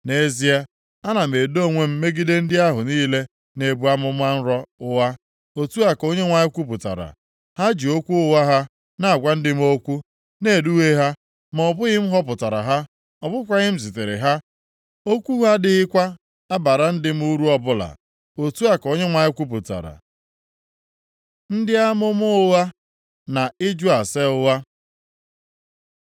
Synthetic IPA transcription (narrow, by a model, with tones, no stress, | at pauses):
ne˦zi˦a˦ | a˦na˨m̩e˨do˦˨ŋʷe˦m̩˦me˦ɡi˦de˦n̩˦dɪ˦a˦ɦʊ˨niː˦le˦ | ne˨bu˦a˦mʊ˦m˦a˦n̩˦ɾɔ˦ʊ˦wa˦ | o˨tu˦a˦ko˦ɲe˦ŋʷa˨ɲɪ˦kʷu˦pʊ˨ta̰˨ɾa̰˨ | ha˦d͡ʒi˨o˦kʷu˦ʊ˦wa˦ɦa˦ | na˨a˨ɡʷa˦n̩˦dɪ˦m̩˦o˦kʷu˦ | ne˨du˦we˦ɦa˦ | m˨ɔ˨bʊ˦ɣɪ˦m̩˦ɦɔ˦p̬ʊ˨ta˨ɾa̰˨ɦa˦ | ɔ˨bʊ˦kʷa˦ɣɪ˦m̩˦s̬ɪ˨te˨ɾɪ̰˨ɦa˦ | o˦kʷu˦ɦa˦dɪ˦ɪ˦kʷa˦ | a˦ba˨ɾa˨n̩˦dɪ˦m̩˦u˦ɾu˦ɔ˦bʊ˦la̰˨ | o˨tu˦a˦ko˦ɲe˦ŋʷa˨ɲɪ˦kʷu˦p̬ʊ˨ta̰˨ɾa̰˨ | n̩˦dɪ˦a˦mʊ˦mʊ˦wa˦ | na˨ɪ˦d͡ʒu˦a˨se˦ʊ˦wa˦